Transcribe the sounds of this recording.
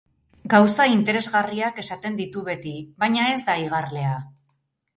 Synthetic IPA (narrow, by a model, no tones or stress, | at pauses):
ɡawsaint̪e̞ɾe̞zɣariake̞sat̪e̞nd̪it̪uβe̞t̪iβajɲae̞zd̪aiɣ̞arle̞a